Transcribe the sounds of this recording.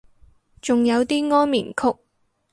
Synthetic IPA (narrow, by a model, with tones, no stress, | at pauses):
t͡sʊ˨ŋjɐ˨˧wt̪iː˥ŋɔː˥nmḭː˨˩nkʰʊ˥k̚